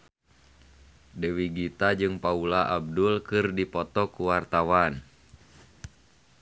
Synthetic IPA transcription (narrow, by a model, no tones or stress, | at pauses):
dəwiɡit̪ad͡ʒɨŋpaulaʔab̚dulkɨrdipɔt̪ɔkuwart̪awan